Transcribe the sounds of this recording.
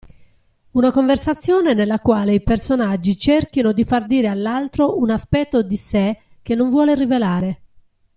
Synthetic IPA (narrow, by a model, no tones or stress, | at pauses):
unakoɱversat̪sːjɔːnenelːakwaːleipersonad͡ʒːit͡ʃerkinod̪ifard̪iːɾealːalt̪ɾoʔunaspɛt̪ːod̪ise | kenːoɱvwɔːlerivelaːɾe